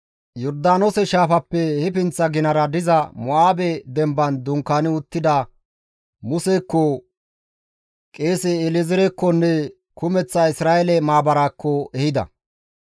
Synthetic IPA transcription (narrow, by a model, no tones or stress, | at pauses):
jɔɾd̪aːnosɛʃaːfɐpːɛhɛpɪnt͡sːɐɡɪnɐɾɐd̪ɪzɐmɔaːbɛd̪ɛmbɐnd̪ʊŋkːanɪʊt̪ːɪd̪ɐ | mʊsekːɔ | kʼeːsɛːlɪzɪɾɛkːɔnːɛ | kʊmɛt͡sːɐɪsɾaːjɛlɛmaːbɐɾaːkʰːɔʔɛhɪd̪ɐ̰